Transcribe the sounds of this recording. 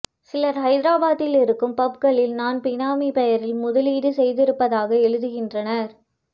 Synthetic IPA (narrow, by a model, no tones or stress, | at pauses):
sɪlɐɾɦɐɪðɪɾaːbaːðɪlɪɾɯkːɯmpɐp̚kɐɭɪlnaːnpɪnaːmipɛjɐɾɪlmʊðɐliːɽɯsɛjðɪɾɯpːɐðaːɣɐɛɻɯðɯɣɪndrɐnɐɾ